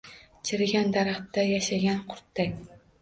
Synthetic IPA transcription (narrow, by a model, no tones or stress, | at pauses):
t͡ʃʰɪɾɪɡʲand̪aɾaχt̪ːajaʃaɡʲanqʰʊ̥ɾt̪ːakʲ